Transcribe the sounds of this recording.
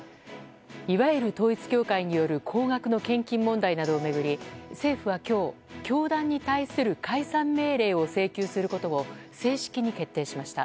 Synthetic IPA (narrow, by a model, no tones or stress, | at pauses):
iβaeɾɯ̟t̪o̞ːit͡sɨ̥kʲo̞ːkaiɲ̟ijo̞ɾɯ̟kʰo̞ːɡakɯ̟no̞kẽ̞ŋkʲĩmːõ̞nd̪ainad̪o̞ːme̞ɡɯ̟ɾʲise̞ːɸɯ̟β̞akʲo̞ː | kʲo̞ːd̪ãɲ̟ːit̪aisɨɾɯ̟kʰaisãmːe̞ːɾe̞ːo̞se̞ːkʲɨːsɨɾɯ̟ko̞t̪o̞o̞se̞ːɕi̥kʲiɲ̟ike̞t̪ːe̞ːɕimaɕi̥t̪a̰